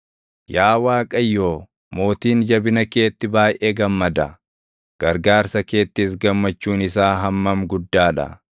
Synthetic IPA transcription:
jaːwaːkʼɐjːo̞ː | mo̞ːt̪iːnd͡ʒɐbɪnɐke̞ːt̪ːɪbaːjʔeːɡɐmːɐd̪ɐ | ɡ̥ɐɾɡaːɾsɐke̞ːt̪ːɪs̬ɡɐmːɐt͡ʃːuːnɪsaːɦɐmːɐmɡʊd̪ːaːᶑɐ̰

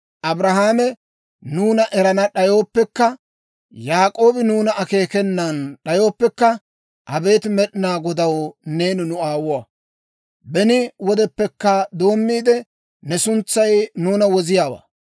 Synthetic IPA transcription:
ʔɐbɾɐɦaːmɛ | nuːnɐʔɛɾɐnɐɗɐjo̞ːpːɛkːɐ | jaːkʼo̞ːbɪnuːnɐɐke̞ːkɛnːɐnɗɐjo̞ːpːɛkːɐ | hɐbe̞ːt̪mɛɗɪnaːɡɔd̪ɐwne̞ːnʊnʊaːwʊwa | bɛnɪwɔd̪ɛpːɛkːɐd̪o̞ːmːiːd̪ɛ | nɛsʊnt͡sːɐjnuːnɐwɔzɪjaːwa̰ː

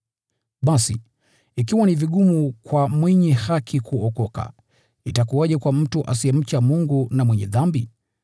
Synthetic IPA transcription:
ɓasiː | k̬iwaniviɡumukwamwɛɲɛhakʰikuɔkɔka̰ | itakuwaʄɛkwam̩tuʔasiɛm̩t͡ʃamuŋɡunamwɛɲɛðambi

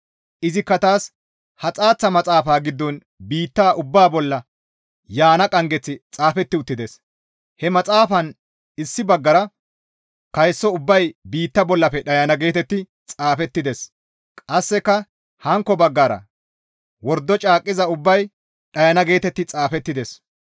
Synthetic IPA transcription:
ʔɪzɪkːɐt̪aːs | hɐt͡sʼaːt͡sːɐmɐt͡sʼaːfaːɡɪd̪ːɔn | biːt̪ːaːʔʊbːaːbɔlːɐ | jaːnɐkʼɐŋɡɛt͡sːɪt͡sʼaːfɛt̪ːɪʊt̪ːɪd̪ɛs | hɛmɐt͡sʼaːfɐn | ɪsːɪbɐɡːɐɾɐ | kɐjsːɔʊbːɐjbiːt̪ːɐbɔlːɐpɛɗɐjɐnɐɡe̞ːt̪ɛt̪ːɪ | t͡sʼaːfɛt̪ːɪd̪ɛs | kʼɐsːɛkːɐ | hɐŋkːɔbɐɡːaːɾɐ̰ | wɔɾd̪ːɔt͡ʃʼaːkʼːɪzɐʊbːɐj | ɗɐjɐnɐɡe̞ːt̪ɛt̪ːɪt͡sʼaːfɛt̪ːɪd̪ɛs

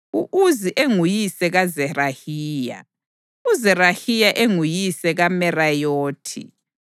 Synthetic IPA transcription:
uʔuziʔeŋujisɛɣazɛrahiːja̰ | uzɛrahijaʔeŋujisɛɣamɛrajoːtʰḭ

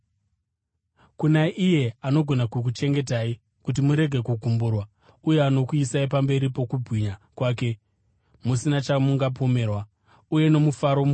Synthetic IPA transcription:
kunaʔije̞ano̞ɡʱo̞nakuk̬ut͡ʃe̞ŋɡe̞taːi | kut̬imuɾe̞ɡʱe̞kuɡʱumburwa | uje̞ano̞kuisaipambe̞ɾipo̞kubʱwiɲakwaːke̞ | musinat͡ʃamuŋɡapo̞me̞ːrwa | uje̞no̞mufaɾo̞m

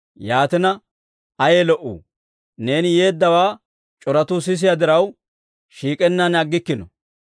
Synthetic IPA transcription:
jaːt̪ɪnɐ | ɐjeːlɔʔṵː | ne̞ːnje̞ːd̪ːɐwaː | t͡ʃʼɔɾɐt̪us̬ɪs̬ɪjad̪ɪɾɐw | ʃiːkʼɛnːɐnɐɡːɪkːɪnɔ

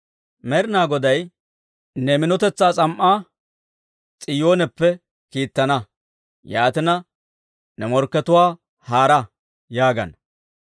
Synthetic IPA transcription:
mɛɾɪnaːɡɔd̪ɐj | nɛmɪnɔt̪ɛt͡sːaːt͡sʼɐmʔːaː | t͡sʼɪjoːnɛpːɛ | kiːt̪ːɐnɐ | jaːt̪ɪnɐ | nɛmɔɾkːɛt̪ʊwaː | haːɾɐ | jaːɡɐ̰n

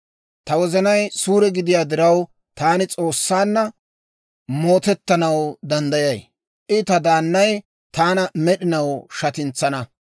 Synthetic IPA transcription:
t̪ɐwɔzɐnɐjsuːɾɛɡɪd̪ɪjaːd̪ɪɾɐw | t̪aːnɪt͡sʼo̞ːsːaːnːɐ | mo̞ːt̪ɛt̪ːɐnɐwd̪ɐnd̪ɐjɐj | ʔɪt̪ɐd̪aːnːɐj | t̪aːnɐmɛɗɪnɐwʃɐt̪ɪnt͡sːɐnɐ

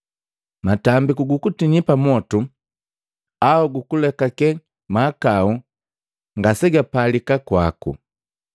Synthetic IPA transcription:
matambikuɡukutinipamɔtu | aɔɡukulɛkakɛ | maːkau | ŋɡasɛɡapalikakwakṵ

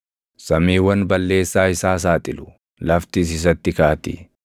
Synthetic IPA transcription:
sɐmiːwɐnbɐlːe̞ːsːaːɪsaːs̬aːt̪ʼɪlʊ | lɐft̪is̬ɪs̬ɐt̪ːɪkaːɐt̪ɪ̰

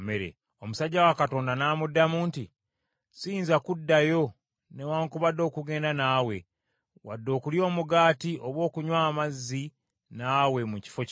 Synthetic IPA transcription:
meɾḛ | o̞musaɟːawakato̞ːndanaːmudːamuːnti | siːnzakudːajo̞ | ne̞waːŋkuβadːo̞ːkuɡe̞ːndanaːwe̞ | wa̰dːo̞ːkuljo̞ːmuɡaːtiʔoβwo̞ːkuɲwaːmazːi | naːwe̞muci̥fo̞c

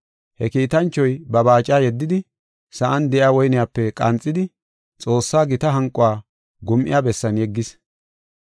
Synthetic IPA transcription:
hɛkiːt̪ɐnt͡ʃːɔjbɐbaːt͡ʃʼaːjɛd̪ːɪd̪ɪ | sɐʔɐnd̪ɛʔɪaːwɔjnɪjaːpːɛkʼɐnt͡sʼːɪd̪ɪ | t͡sʼo̞ːsːaːɡɪt̪ɐɦɐŋkʼʊwaː | ɡʊmʔɪ̰jaːbɛsːɐnjɛɡːɪs

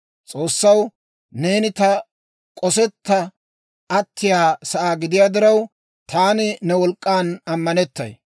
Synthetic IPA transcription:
t͡sʼo̞ːsːɐw | ne̞ːnɪt̪ɐ | kʼɔsɛt̪ːɐ | ʔɐt̪ʰːɪjaːsɐʔaːɡɪd̪ɪjaːd̪ɪɾɐw | t̪ʰaːnɪnɛwɔlkʼːaːnɐmːɐnɛt̪ːɐ̰j

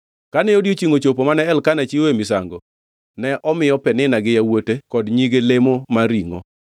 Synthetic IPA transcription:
kanɛodjot͡ʃiŋot͡ʃopomanɛɛlkanat͡ʃiwemɪsaŋɡɔ | nɛʔɔmɪjɔpɛnɪnaɡɪjawotekɔdɲiɡelemomaɾiŋɔ̰

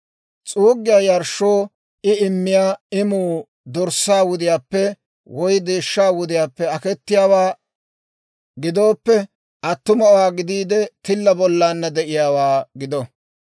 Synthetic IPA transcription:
t͡sʼuːɡːɪjaːjɐɾʃːoː | ɪɪmːɪjaːɪmuː | d̪ɔɾsaːwʊd̪ɪjaːpːɛ | wɔjd̪eːʃːaːwʊd̪ɪjaːpːɛɐkɛt̪ːɪjaːwaː | ɡɪd̪o̞ːpːɛ | ʔɐt̪ːʊmɐwaːɡɪd̪iːd̪ɛt̪ɪlːɐbɔlːaːnːɐd̪ɛʔɪjaːwaːɡɪd̪ɔ

